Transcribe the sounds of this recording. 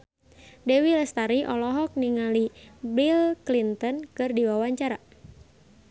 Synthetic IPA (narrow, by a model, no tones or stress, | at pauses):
dɛwilɛst̪aɾiʔɔlɔɦɔk̚niŋalibilklint̪ɔnkɨrdiwawaɲt͡ʃaɾa